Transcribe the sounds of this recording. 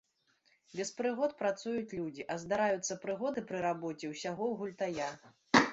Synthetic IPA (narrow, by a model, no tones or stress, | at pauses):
bʲɛspɾɨɣɔt̪̚pɾat̪sujut͡sʲlʲud͡zʲiʔɐzd̪aɾajut̪sːɐpɾɨɣɔd̪ɨpɾɨɾabɔt͡sʲɛwsʲaɣɔwɣulʲt̪aja